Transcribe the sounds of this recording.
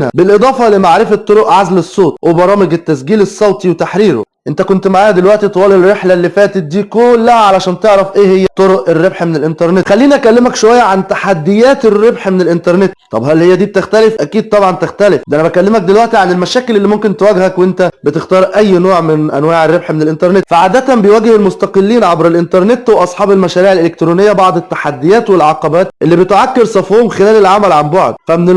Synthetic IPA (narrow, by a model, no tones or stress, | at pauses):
nhæ̰belʔed̪ˤɑːfɑlemaʕɾefæt̪ˤːoɾoʔʕazlesˤːoːt̪ˤwʔebɑɾˤɑːmeɡet̪ːæsɡiːlesˤːɑwt̪ˤiwet̪aħɾiːɾo̰ | ʔent̪ækont̪maʕaːjæd̪elwæʔt̪it̪ˤɑwɑːlelrɾːeħlælːifæːt̪et̪̚d̪iːkolːæhæʕalæʃæːnt̪eʕɾæfʔeːhejːæt̪ːˤoɾoʔerːebħmenelʔent̪ɑɾˤnet̪xælːiːniʔækælːemækʃowæjːæʕant̪aħad̪ːejæːt̪erːebħmenelʔent̪ɑɾˤnet̪t̪ˤɑbhælːhejːæd̪iːb̚t̪ext̪ælefʔækiːd̪̚t̪ˤɑbʕɑnt̪ext̪ælefd̪ʔænæbækælːemæk̚d̪elwæʔt̪iʕanelmæʃæːkelʔelːiːmomkent̪wæɡhækwʔent̪æbet̪ext̪ɑːɾˤʔæjːnoːʕmennʔænwaːʕerˤːebħmenelʔent̪ɑɾˤnet̪faʕaːd̪æt̪æmbejwæɡhelmost̪ɑqelːiːnʕɑbɾelʔent̪ɑɾˤnet̪weʔɑsˤħɑːbelmæʃæːɾiːʕelʔelek̚t̪ɾoːnejːæbɑʕd̪ˤet̪ːḁħad̪ːejæːt̪welʕɑqɑbæːt̪ʔelːibet̪oʕakːeɾsˤɑfohomxelæːlelʕamælʕambɑʕd̪̚fæmene